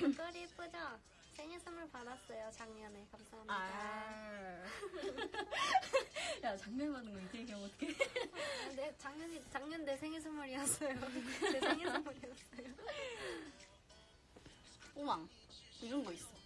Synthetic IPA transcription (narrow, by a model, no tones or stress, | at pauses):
kɯk͈ʌɾip͈ɯd͡ʑʌ | sʰeŋesʰɯmɯɭpadas͈ʌjot͡ɕaŋɲʌnekamsʰaɦamida | jat͡ɕaŋɲʌnpanːɯnɡʌiɡeɡeotʰkʰe | net͡ɕaŋɲʌɲit͡ɕaŋɲʌndesʰeŋesʰɯmʌɾiʌs͈ʌjoesʰeŋesʰɯmʌɾiʌs͈ʌjo | owaŋ | iɾʌnɡʌis͈ʌ